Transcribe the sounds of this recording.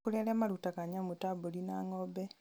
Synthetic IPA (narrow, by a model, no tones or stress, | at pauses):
kulelemalutakaɲamutabulinaːŋobe